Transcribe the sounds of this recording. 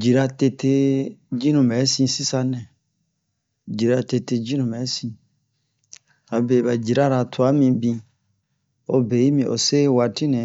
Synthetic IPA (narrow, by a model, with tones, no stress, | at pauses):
d͡ʒi˨ɾa˧te˧tʰe˧d͡ʒi˦nũ˨mɛ˨˦sĩ˧si˦sa˧nɛ̃˨ | d͡ʒi˨ɾa˧te˧te˧d͡ʒi˦nũ˨mɛ˨˦sĩ˧ | a˨be˨ba˨d͡ʒi˨ɾa˦ɾa˧tʰu˨a˨˦mĩ˧bĩ˧ | o˧be˨i˦mĩ˧˨ʔo̰˨se˦wa˧ti˦nɛ̃˨˦